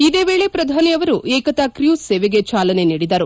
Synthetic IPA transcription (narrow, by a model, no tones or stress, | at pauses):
id̪eːʋe̞ːɭe̞pɾɐd̪ʱaːnijɐʋɐɾuʔeːkɐt̪ɐkɾjuːseːʋeɡe̞t͡ʃaːlɐne̞niːɽid̪ɐɾu